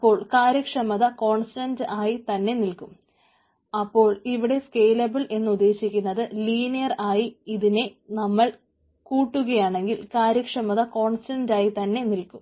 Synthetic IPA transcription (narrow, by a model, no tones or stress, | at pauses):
ɐpːo̞ːɭkaːɾjɐkʂɐmɐðɐko̞ːɳstɐndʔaːjit̪ɐnːe̞nilkum | ɐpːo̞ːɭiʋiɽe̞ske̞ːlɐbɐɭe̞nːɨud̪ːe̞ːɕikʲːunːɐðɨliːnijɐraːjiiðine̞nɐmːɐɭ | kuːʈːuɣɐjaːɳe̞ŋɡilkaːɾjɐkʂɐmɐðɐko̞ːɳstɐndaːjit̪ɐnːe̞nilkum